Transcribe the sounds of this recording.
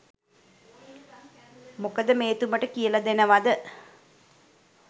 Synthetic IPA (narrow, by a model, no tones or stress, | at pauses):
mukəd̪əmeːt̪uməʈəkijəlɐd̪enəʋad̪ə